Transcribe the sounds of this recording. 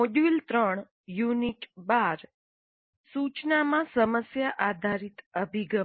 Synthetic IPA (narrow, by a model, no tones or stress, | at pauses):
oɖult̪ɾəɳ | juniʈbaɾ | sut͡ʃnamãsəməsjaʔad̪ʱaɾit̪əbʱiɡə